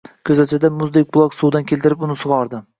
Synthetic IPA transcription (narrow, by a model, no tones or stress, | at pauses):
kʲʰɵzat͡ʃʰad̪amʊzd̪ek̚ʲbʊlˠɒksuwd̪ankʲʰe̞lʲt̪ɪɾɪpʊnɪsʊʁɒɾd̪ɪ